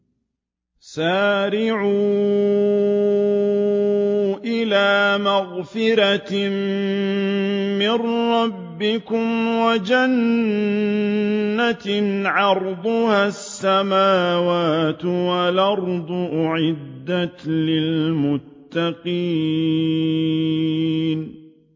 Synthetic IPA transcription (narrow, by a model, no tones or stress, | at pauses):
saːɾɪʕuː | ʔɪlaːmaɣfɪɾa | mɪnɾːɑbːɪkʊmwad͡ʒan | at̪ʕɑɾˤd̪ˤʊhasːamaːwaːt̪walʔɑɾˤd̪ˤʊʔʊʕɪd̪ːat̪lɪlmʊt̪ːɑqiː | n